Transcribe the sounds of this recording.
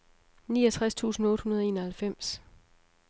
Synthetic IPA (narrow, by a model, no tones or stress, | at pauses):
niːʌt͡sʰʁast͡sʰṵːsn̩ɔ̽ːd̥hunɐð̞ˠe̝ːnɐhælfem̰s